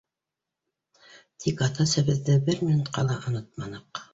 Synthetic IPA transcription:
t̪ʰikɑt̪ɑsɘ̆βɘ̆ðːɘbɘɾmʲinut̪qɑlˠɑʔŏnɤt̪̚mɑnɤq

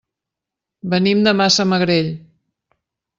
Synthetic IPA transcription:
bənimd̪əmasəməɣɾeʎ

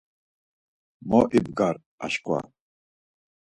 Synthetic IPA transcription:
mɔʔibɡaɾ | a̰ʃkʼwa̰

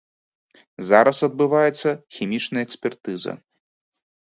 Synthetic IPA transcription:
zaɾɐsɐd̪̚bɨvajɛt̪sːɐxʲimʲit͡ʂnɐjɐɛksʲpʲɛrt̪ɨzɐ̰

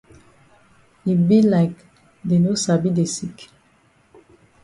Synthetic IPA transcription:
ibilaɪk | denosabidesik

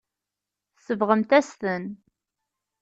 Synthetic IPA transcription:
θsəvʁəmt̪æst̪ən

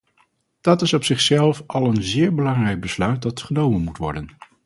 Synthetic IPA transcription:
d̥ɑtɪsɔpsɪχsɛlˠfɑlˠənzɪːɹbəlɑŋrɛjk̚bəslœɥt̚dɑtχənowmənmutʋɔ̰ɹdən

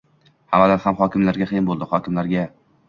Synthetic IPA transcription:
hamalaɾhamχɒkʲʰɪmlaɾɡʲaqʰɨijɪnbolˠd̪ɪhɒkʲʰɪmlaɾɡʲa

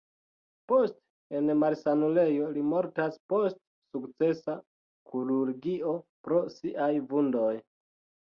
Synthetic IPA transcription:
po̞st | enmaɾsanule̞jo̞limo̞ɾtaspo̞st | sukt͡se̞sa | kʰuɾuɾɡio̞pɾo̞siʔajvundo̞j

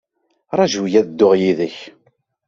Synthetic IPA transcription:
ɾˤɑʒjæðəd̪ːʊʁjiðəç

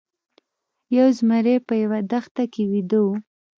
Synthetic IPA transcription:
jawzmaɾepəjawad̪axt̪akewid̪o

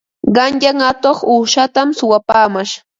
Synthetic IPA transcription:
ɢɑnjaŋat̪oχuːʃat̪amsʊwapaːmaʃ

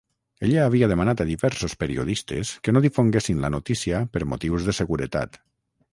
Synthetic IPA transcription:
eʎaːβ̞iaðemanat̪aðiβɛɾsospeɾḭo̰ðist̪ḛskəenoðifoŋɡesinlanot̪isiapəɾmot̪iwzðəsəɣuɾət̪a̰t̪

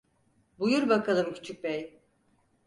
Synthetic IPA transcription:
bujuɾbakʰalˠɯmcʰy̥t͡ʃʰyc̚bej

